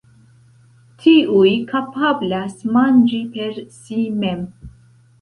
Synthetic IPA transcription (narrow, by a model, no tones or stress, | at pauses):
tʰiʔujkapablasmand͡ʒipe̞ɾsimem